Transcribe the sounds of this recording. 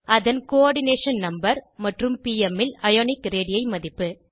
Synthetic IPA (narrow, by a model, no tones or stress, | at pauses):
ʔɐðɐnkoːɾɽɪneːʂɐnnɐmbɐɾmɐʈrɯmpiːɛmɪlɐjoːnɪkɾeːɽɪjɐɪmɐðɪpːɯ